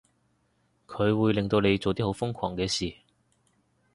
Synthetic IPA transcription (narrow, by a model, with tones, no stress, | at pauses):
kʰɵ˨˧ɥwuː˨˧jlɪ˨ŋt̪o˧wne˨˧jt͡so˨wt̪iː˥ho˨˥wfʊ˥ŋkʰɔ̰ː˨˩ŋkɛː˧siː˨˩